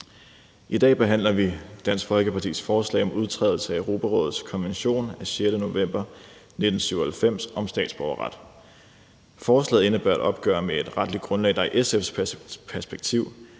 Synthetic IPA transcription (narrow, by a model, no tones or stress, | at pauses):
ʔid̥ɛ̰ːb̥e̝ɦæn̰lɐʋid̥æn̰sɡ̥fɒ̽lɡ̥əpʰɑ̈t͡sʰḭːsfɒːslɛ̰ɪɒ̽mʔuð̞ˠt͡sʰʁɛ̰ðˠl̩səæøʊʁo̝ːpʰæʁɔ̽ːð̩ˠskʰɒ̽nʋenɕo̝̰ːnæɕjed̥əno̝ʋem̰b̥ɐ | ne̝d̥n̩syʊɐhælfem̰sɒ̽msd̥ɛ̰ːd̥sb̥ɒʊɐʁɑ̈d̥ | fɒːslɛ̰ːðˠe̝nəb̥ø̰ɐ̰æd̥ɒ̽b̥̚ɡ̥ɶ̰ɐmee̝d̥ʁɑ̈d̥lid̚ɡ̥ʁɔ̽nlɛ̰ːd̥ɑ̈iʔesefspʰæɐsb̥eɡ̥̚t͡sʰiʊ̰